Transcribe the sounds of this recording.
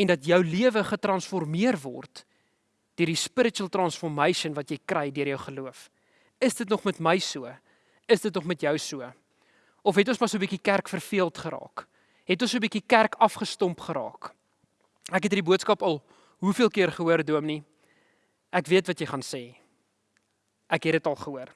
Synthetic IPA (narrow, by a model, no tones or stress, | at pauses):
ɛndɐtjœwliəvəχətrɐnsfɔrmiərvɔ̰rt | d̥iəɾdispəɾətuəlˠtrɐnsfɔrməjʃənvɐtjəjkrɛjdiəɾjəwχəluəf | əsdətnɔχmɛtməjsuə | əsdətnɔχmɛtjəwsuə | ɔfɦɛtonsmɑsuəbikikærkfərfiəlˠtχəɾɑ̰ːk | ɦɛtoɔnsuəbikikærkɐfχəstɔmpχəɾɑ̰ːk | ækɦɛt̬dibuətskɐpɐlˠ | ɦufiəlˠkiərχəɦuərduəmni | ʔækviətvɐtjəjχɑnseː | ʔækɦɛdətɐlˠχəɦuər